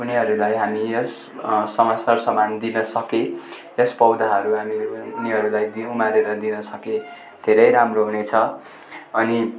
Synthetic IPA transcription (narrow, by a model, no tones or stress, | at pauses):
uniɦʌɾulajɦamiʌsː | ʌmasarsʌmand̪inʌsʌke | jʌspʌwd̪aɦʌɾuɦaminiɦʌɾulajd̪iõw̃maɾeɾʌd̪inʌsʌkẽ | d̪ʱeɾʌjɾamroɦunet͡sʰʌ | ʌni